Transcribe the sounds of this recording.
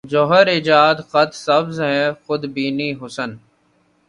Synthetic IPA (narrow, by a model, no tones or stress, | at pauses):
d͡ʒoːɦəɾɪd͡ʒaːd̪xət̪səbzɦɛ̃ːxʊd̪biːniːɦʊsən